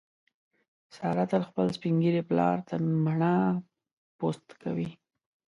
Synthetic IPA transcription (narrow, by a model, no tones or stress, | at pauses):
sɑɾat̪alxpəlspiŋɡiɾeplɑ̰ɾt̪amaɳa | post̪kʰa̰wi